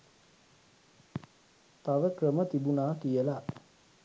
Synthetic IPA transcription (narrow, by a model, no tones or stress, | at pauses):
t̪aʋəkɾəmət̪ibunaːkijəla